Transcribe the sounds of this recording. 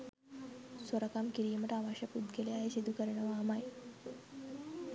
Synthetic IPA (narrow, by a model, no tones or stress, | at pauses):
soɾakamkiɾijəməʈaʋaɕapud̪ɡeleaɦesid̪ʱukəɾɳəʋamaj